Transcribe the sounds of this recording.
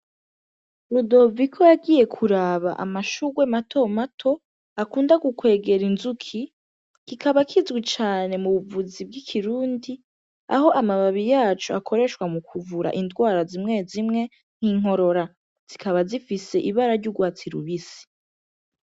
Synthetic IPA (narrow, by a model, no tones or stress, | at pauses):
ɾudo̞vikʰo̞jaɡiːje̞kʰuɾaβa̰ʔa̰maʃuɡwematʰo̞matʰo̞ | akuːndaɡukwe̞ːɡe̞ɾinzukʰi | kikʰaβakʰizɡwit͡ʃaːne̞muβuvuzib̚ɡikʰiɾuːndi | a̰ɦo̞ʔamaβaβijaːt͡ʃuakʰo̞ɾe̞ʃwamukʰuvuɾa̰ʔindɡwaːɾazimŋe̞zimŋe̞ | n̥hiːŋ̥o̞ɾo̞ɾa | z̥ikaβazifise̞ʔiβaɾaɾɟuɡwaːt͡siɾṵβisi̥